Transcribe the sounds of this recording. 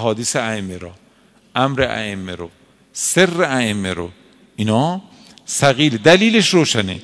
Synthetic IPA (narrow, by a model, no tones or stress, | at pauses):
ɦɒːd̪iseæemːeɾo̰ː | ʔæmɾeʔæ̰emːeɾo | serːeæemːeɾo̰ | inɒː | sæɣiːled̪æliːleʃɾoːʃænḛ